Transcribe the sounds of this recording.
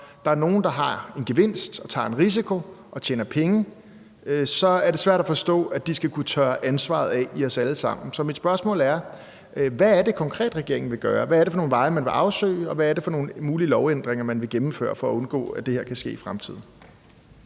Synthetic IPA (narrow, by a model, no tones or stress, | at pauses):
d̥ɑ̈æɐno̝ːn̩d̥ɑ̈ɦɑ̈e̝nɡ̥e̝ʋe̝n̰sd̥ɒ̽t͡sʰɑ̰̈ːe̝nʁis̬ikʰo̝ʔɒ̽t͡ɕʰḛːnɐpʰeŋə | sɒ̽æɐɾ̥e̝sʋæɐ̰ɾ̥æfɒ̽sd̥ɔ̰̽ːæd̥isɡ̥ækʰut͡sʰœːɐʔænsʋɑ̰̈ð̞̩ˠɛiɒ̽sæləsɑ̈m̰n̩sɒ̽mid̥sb̥ɶɐsmɔ̰læɐ | ʋæːɐde̝kʰɒ̽ŋkʰʁɛ̰ːd̥ʁɛɡ̥e̝ɐeŋn̩ʋe̝ɡ̥ɶːɐʋææɐɾefɒ̽no̝ːn̩ʋɑ̈ɪmænʋe̝ʔɑ̈ʊsø̰ːɪɒ̽ʋæːɐde̝fɒ̽no̝ːn̩muːlilɒʊen̰d̥ʁeŋɐmænʋe̝ɡ̥emm̩fø̰ːɐ̰fɒ̽æɔ̽nɡ̥ɔ̰ːæd̥e̝heɐkʰæsɡ̥e̝̰ːifʁamt͡sʰið̞̰ˠn̩